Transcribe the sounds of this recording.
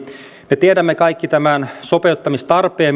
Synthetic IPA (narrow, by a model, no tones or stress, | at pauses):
met̪iedæmːekɑikːit̪æmænso̞peut̪ːɑmist̪ɑrpeːm